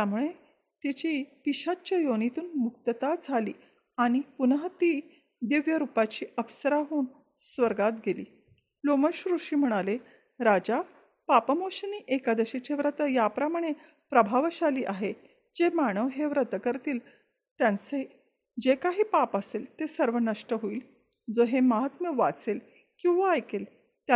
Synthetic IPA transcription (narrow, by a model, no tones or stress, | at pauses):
t̪jamuɭe | t̪it͡ɕipiɕat͡ɕajonit̪uːnmuk̚t̪ət̪ad͡zʱalḭː | aɽ̃ipunɦət̪i | d̪iʋjəɾupat͡ɕiːəʋsəɾaɦuːn | sʋəɾɡat̪ɡelḭː | loməɕɾuʂiːm̤əɽ̃ale | ɾad͡ʑa | papəmoɕəniːʔekad̪əɕet͡ɕeʋɾət̪əjapɾəmaɽ̃e | pɾəbʱaʋɕaliːʔaɦe | d͡ʑemaɽ̃əʋɦeʋɾət̪əkəɾt̪iːl | t̪jant͡se | d͡ʑekaɦiːpapəselt̪esəɾʋənəʂʈəɦoiːl | d͡zoɦeməɦat̪məʋa̰t͡sel | kĩw̃ʋaːjkel | t̪a